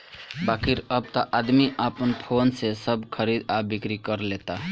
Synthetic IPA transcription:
bakʰiɾəb̚t̪əʔad̪miʔapənpʰonsesəbkʰəɾid̪abikɾikəɾlet̪a

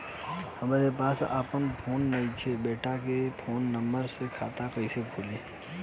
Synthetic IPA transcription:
hɐmaːɾepaːsa̰ːpənpʰoːnːɐit͡ʃʰebeːʈakepʰoːnːə̃mbəɾsekʰaːt̪akəisebʰʱuːleː

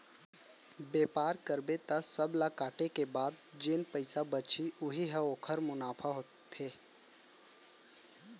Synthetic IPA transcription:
beːpaːɾkəɾbet̪asəblakaːʈekebaːd̪̚d͡ʒɪnpəɪsabət͡ʃiʊɦiɦə̃oːkʰəɾmʊnaːpʰaɦo | t̪ʰeː

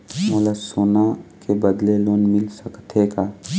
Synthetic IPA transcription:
moləsoːnakebəd̪leloːnmɪlsəkt̪ʰekaː

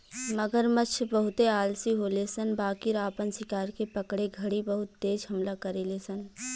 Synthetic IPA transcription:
məɡəɾmət͡ʃʰbəɦʊt̪eaːlsiɦolesənbaːkiɾaːpənsɪkaːɾkepəkɽeɡʱəɽibəɦʊt̪ːeːd͡ʒɦəmlakəɾelesən

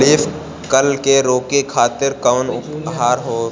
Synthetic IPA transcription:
liːf | kəlkeɾoːkekʰaːt̪ɪɾkəʋnʊpɦaːɾɦoː

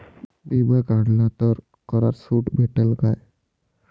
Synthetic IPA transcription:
bibəjkaɽlat̪əɾ | kəɾaɾsuʈbʱeʈelkaj

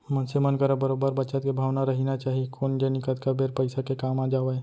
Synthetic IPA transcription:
mənsemənkəɾobəɾoːbəɾbət͡ʃət̪kebʱaːʋnaɾɐɦinat͡ʃaːɦiekʰoːnd͡ʒenɪkət̪kəɾbeːɾpəɪsakekaːmaːd͡ʒaːʋee

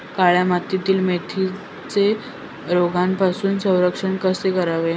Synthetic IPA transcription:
kaɭjamat̪it̪iːlmet̪ʰi | t͡se | ɾoɡʱanpasuːnsə̃w̃ɾəkʂəɳkəsekəɾaʋe

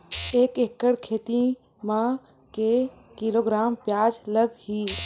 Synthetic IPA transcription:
eːkekːəɽkʰeːt̪ĩ | mã | ke | kiloːɡɾaːmpjaːd͡ʒləɡhiː

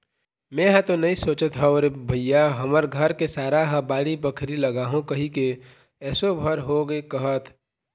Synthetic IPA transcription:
mɛ̃ɦə̃t̪onɐɦĩsoːt͡ʃət̪ɦɛoːɾebʱəjaɦəməɾɡʱəɾkesaːɾaɦə̃baːɽibəkʰɾiləɡaːɦũkəɦike | ɛːsobʱəɾɦoɡekəɦət̪ʰ

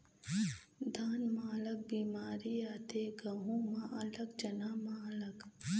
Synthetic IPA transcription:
d̪ʱaːnmaːlək̚biːmaːɾiaːt̪eɡɐɦũmãɐləɡd͡ʒɐnaːmãɐləɡ

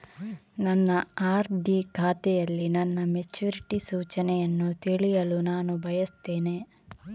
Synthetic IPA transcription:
nɐnːɐaːɾɖiːkʰaːt̪ɛjɐlːinɐnːɐmet͡ʃuːɾiʈisuːt͡ʃɐnɛjɐnːut̪eɭijɐlunaːnubʱɐjɐst̪eːneː

